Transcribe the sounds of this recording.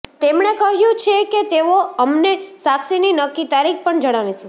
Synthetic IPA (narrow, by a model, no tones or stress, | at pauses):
t̪emɳekəɦjũt͡ʃʰeket̪eoəmnesaksininəkːit̪aɾik̚ʰpəɳd͡ʒəɽ̃aʋeʃe